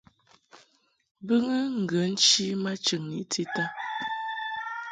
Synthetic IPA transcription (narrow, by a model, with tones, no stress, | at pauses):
bə˦ŋə˦ŋ̩˨ɡə˨˦n̩˦t͡ʃi˦ma˦t͡ʃə˨ŋni˨˦tʰi˦ta˦